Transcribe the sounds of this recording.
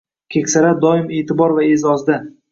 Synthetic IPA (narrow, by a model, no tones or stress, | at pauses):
kʲʰekʲsaɾad̪ɒɪmet̪ʰɪbɒɾvaezɒzd̪a